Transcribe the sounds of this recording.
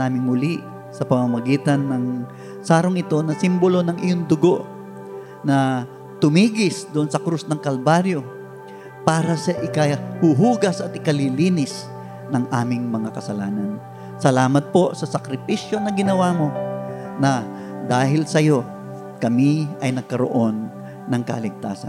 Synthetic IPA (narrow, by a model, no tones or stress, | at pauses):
aːmɪŋhʊliʔ | sɐpɐmamɐɡiːt̪ɐnːɐŋ | saːɾoŋɪt̪o̞nɐsimbolo̞nɐŋʔɪjoŋd̪ʊɡo̞ʔ | nɐ | t̪ʊmiːɡɪsd̪oʔonsɐkɾusnɐŋkɐlbaɾjo̞ | paːɾɐsɐʔɪkɐhuɦuːɡɐsʔɐt̪̚ɪkɐliliːnɪs | nɐŋʔaːmɪŋmɐŋakɐsɐlaːnɐn | sɐlaːmɐt̪̚po̞sɐsɐkɾɪpiʃjo̞nɐɡɪnɐwaːmo̞ | nɐ | d̪aːɦɪlsɐjo̞ | kɐmiʔɐjnɐɡ̚kɐɾo̰ʔo̞nː | ɐŋkɐ̰lɪɡ̚t̪a̰ːsɐ̰nn